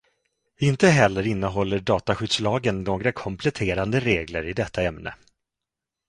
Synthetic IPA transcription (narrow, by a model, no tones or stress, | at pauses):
ɪnt̪əɦɛlːəɾɪnːəɦɔlːəɖɑːt̪aɧʏd̪slɑːɡənnoːɡɾakʰɔmpʰlɛt̪ʰeːɾand̪əɾeːɡləɾɪd̪ɛt̪ʰːaɛmnə̰